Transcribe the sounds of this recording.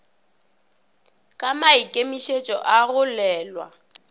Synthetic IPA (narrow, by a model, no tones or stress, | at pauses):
kʼamaikʼemiʃet͡ʃʼɔ̰ʔaɣʊlɛːlwa̰